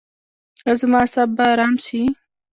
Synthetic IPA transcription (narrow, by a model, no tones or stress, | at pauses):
azmɑːsabːaɾɑːmsi